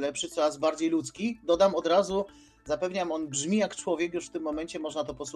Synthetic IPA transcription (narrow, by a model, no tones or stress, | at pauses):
lɛpʂɘt̪sɔɾazbaɾd͡ʑejlut̪skʲid̪ɔd̪amɔd̪ɾazu | zapɛvɲamɔnbʐmʲijakt͡ʂwɔvʲjɛkjuʂft̪ɘmːɔmɛɲt͡ɕɛmɔʐnat̪ɔpɔs